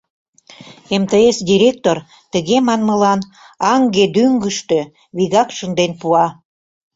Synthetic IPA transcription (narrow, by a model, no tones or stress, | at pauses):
emt̪eesd̪ʲiɾʲek̚t̪or | t̪əɣemɑnməlɑn | ɑŋɡed̪yŋɡəʃt̪ø | βiɣɑkʃənd̪enpuɑ